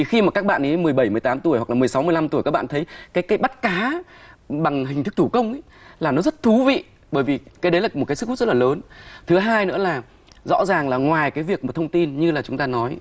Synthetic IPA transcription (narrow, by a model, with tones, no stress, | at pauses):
i˨˩xi˧maː˨˩ka˦˥k̚ɓa̰ː˧˨nʔi˨˦mɨ˨˩jɓə˧˩jmɨ˨˩əjt̪aː˨˦mt̪u˧˩əjha˨˩k̚lːmɨ˨˩əjsa˨˦wmɨ˧əjla˧mt̪u˧˩əka˦˥k̚ɓ̰ːt̪ʰə˨˦jkaː˨˦jkaː˨˦jɓa˦˥t̚kaː˨˦ | ɓa˨˩ŋɦi˨˩ŋ̟t̪ʰɨ˦˥t̪ʰu˧˩kə˧wŋ͡mʔ | laː˨˩nɔ˨˦zə˦˥t̚t̪ʰu˨˦vḭ˧˨ | ɓəː˧˩jvi˨˩kaː˨˦ɗə˨˦jlaː˨˩mo˨˩t̚kːsɨ˦˥kʰh̚z̚laː˨ləː˨˦nt̪ʰɨ˨˦ɦaː˧jnɨ̰˧˥əlaː˨˩ | zɔ̰˧˥zaː˨˩ŋlaː˨˩ŋwaː˨˩jkaː˨˦jvi˨˩ək̚mo˨˩t̪ʰə˧wŋ͡mt̪i˧nɲɨ˧laː˨˩t͡ɕʊ˨˦ŋ͡mt̪aː˧nɔ˨˦j